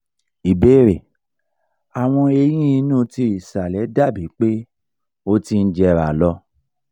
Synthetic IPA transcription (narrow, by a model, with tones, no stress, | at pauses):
i˨be˦˨ɾe˨ | a˨w̃ɔ̃˧e˧j̃ĩ˦i˧nũ˦ti˧i˨sa˨lɛ˨˦da˦˨bi˨˦k͡pe˦ | o˧ti˧n̩˦d͡ʒɛ˧ɾa˨lɔ˧˦